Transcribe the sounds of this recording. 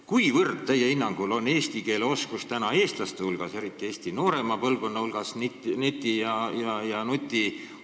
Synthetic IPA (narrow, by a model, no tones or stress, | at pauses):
kujvɤrd̪̥̚t̪æjːeinːɑŋɡ̥ulo̞nːe̞ːst̪ike̞ːleo̞skust̪ænɑe̞ːst̪lɑst̪ehulɡ̥ɑse̞ɾit̪ːˑie̞ːst̪ino̞ːɾe̞mɑpɤlvɡko̞nːɑhulɡ̥ɑsnnet̪ʲːˑijɑjɑjɑnut̪ʲːˑi